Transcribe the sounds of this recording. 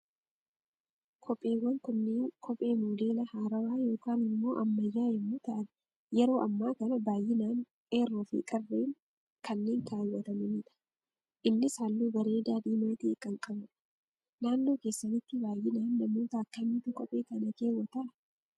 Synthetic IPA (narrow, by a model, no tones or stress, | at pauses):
kʰɔpʼːeːwɐŋkʊnːeːŋkʰɔpʼe̞ːmuːleːlɐhaːɾɐwaːjo̞ːkaːnɪmːo̞̰ːʔɐmːɐjːaːjɛmːʊt̪ɐʔɐn | jɛɾo̞ːʔɐmːaːkɐnɐbaːjːɪnaːn | eːrːɔfɪ̰kʼɐrːeːŋ | kɐnːeːŋk̪aːwːɐt̪ɐmɛmɪːᶑ̪ɐ̥ | ʔɪnːɪsaːlːuːbɐɾe̞ːd̪aːd̪iːmɐt̪ɪkʼːɐŋkʼɐbɐ | naːnːoːke̞ːsːɐnɪt̪ːɪbaːjːɪnaːnːɐmoːt̪akːɐniːt̪ʊkɔpʼːeːkɐnɐke̞ːwɐt̪ɐʔɐ